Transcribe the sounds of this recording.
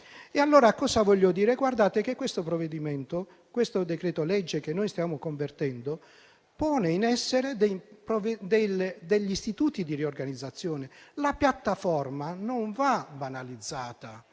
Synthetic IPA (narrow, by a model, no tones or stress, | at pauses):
ealːoːɾakɔːsavɔʎːod̪iːɾeɡward̪aːt̪ekekːwest̪opɾoved̪imɛnt̪o | kwest̪od̪ekɾɛːt̪olɛd͡ʒːek̟enːojst̪jaːmokoɱvert̪ɛnd̪o | pɔːneinɛsːeɾed̪ejpɾoved̪eld̪eʎːist̪it̪uːt̪id̪iriorɡanid̪zːat̪sːjɔːnelapjat̪ːafɔrmanoɱvabanalid̪zːaːt̪a